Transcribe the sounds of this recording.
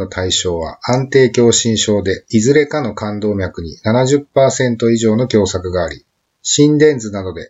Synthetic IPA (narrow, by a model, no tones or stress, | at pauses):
o̞t̪ʰaiɕo̞ːβ̞a̰ãnt̪e̞ːkʲo̞ːɕĩɰ̃ɕo̞ːd̪e̞izɨɾe̞kano̞kãnd̪o̞ːmʲjakɯ̟ɲ̟ḭnanaʑɨpːaːsẽ̞nt̪o̞iʑo̞ːno̞kʲo̞ːsakɯ̟ɡaːɾʲi | ɕĩnd̪ẽ̞nd͡zɨnad̪o̞d̪e̞